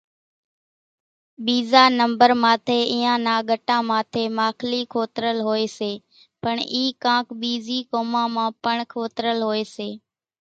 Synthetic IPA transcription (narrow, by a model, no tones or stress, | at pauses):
ɓiːzaːnəmbəɾmaːt̪ʰeːiːãːnaːɠəʈãːmãːt̪ʰeːmaːkʰliːkʰoːt̪ɾəlɦoːeːseː | pəɳiːkãːkɓiːziːkoːmãːmãːpəɳkʰoːt̪ɾəlɦoːeːseː